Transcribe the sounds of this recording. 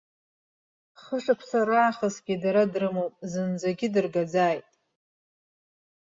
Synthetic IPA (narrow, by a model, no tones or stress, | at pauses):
χəʂapʷʰsaɾaːχasɡʲidaɾadrɨmowpʼzɨnd͡zaɡʲɪdɨrɡad͡zaːjtʼ